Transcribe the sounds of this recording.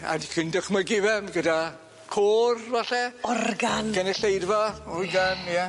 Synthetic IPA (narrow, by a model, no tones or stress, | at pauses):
a̰dikʰɪndəχmaɡɪvɛmɡəda | kʰoːrvaɬɛɔrɡanɡ̥anɛɬejdvɔuɡanja